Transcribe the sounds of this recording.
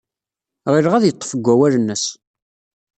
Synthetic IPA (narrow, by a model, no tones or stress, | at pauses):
ʁiɾʁæðjət̪ˤːə̥fəɡʷːæwæɾənːəs